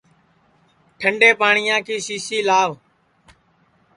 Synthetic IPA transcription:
ʈʰəɳɖeːpaːɳɪjãːkʰiːsiːsiːlaːʋ

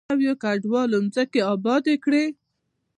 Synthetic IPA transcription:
awjokaɖwɑlonzəkeɑbɑd̪ekɽe

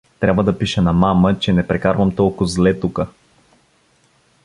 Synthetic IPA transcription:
t̪ɾʲʔabvəd̪ɐpiʃɛnɐmamət͡ʃɛnɛpɾɛkaɾvɐmt̪ɔlˠkʊzlɛt̪ukə

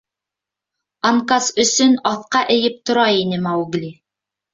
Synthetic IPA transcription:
ɑɴkɑsɵ̆sɵnɑθqɑʔɘ̆jɘp̚t̪ŏɾɑjinɘmɑuɡlʲi

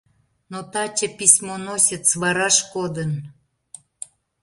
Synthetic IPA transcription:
not̪ɑt͡ɕə̆pisʲmonosʲət̪sβɑɾɑʃkod̪ən

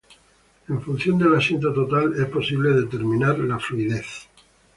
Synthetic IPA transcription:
e̞ɱfun̟θjo̞nd̪e̞lasent̪̬at̪o̞t̪alespo̞siβle̞ðe̞t̪eɾmĩnaɾlafluiðeθ

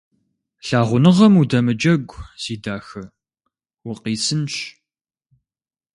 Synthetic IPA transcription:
ɬaːʁʷʊnɨʁɐmudɐmɨd͡ʒɐɡʷz̥iːdaːxɐ | wʊqiːsɨnɕ

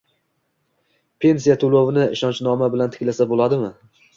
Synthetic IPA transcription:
pʰe̞nsijat̪ʰʊlˠovɪnɪɪʃɒnt͡ʃnɒmabɪlant̪ʰɪ̥kʲlasabolˠad̪ɪmɪ

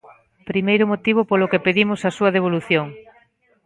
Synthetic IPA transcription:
pɾimejɾʊmot̪iβ̞ʊpolokepeðimʊsɐsuɐðeβ̞oluθjoŋ

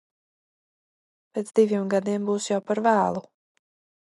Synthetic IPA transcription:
pʲeːt̪zd̪ivʲiɛmɡad̪iɛmbuːsjawpaɾvæːlˠu

